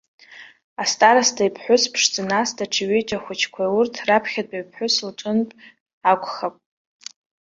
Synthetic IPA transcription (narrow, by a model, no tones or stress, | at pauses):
astʼaɾastʰaipʰħʷʊspʰʂd͡zɨnastʰaʈ͡ʂʰiɥet͡ʃʼaχʷʊt͡ʃʰkʷʰaurtʰrapʰχʲadʼaɥpʰħʷʊslʈ͡ʂʷʼʊnpʼ | akʷʰʼχapʼ